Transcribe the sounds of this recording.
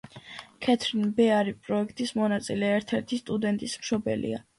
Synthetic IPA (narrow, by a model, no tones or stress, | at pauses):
kʰɛt̪ʰɾinbɛaɾipʼɾɔɛkʰt̪ʼismɔnat̪sʼilɛːɾt̪ʰɛɾt̪ʰist̪ʼud̪ɛnt̪ʼismʃɔbɛ̰lḭa̰